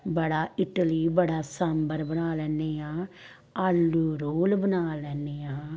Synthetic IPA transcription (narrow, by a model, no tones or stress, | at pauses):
bəɽaːɪʈəliːbəɽaːsəmbəɾbənaːlɛːneːãː | aːlːuːɾoːlbənaːlɛːneːãː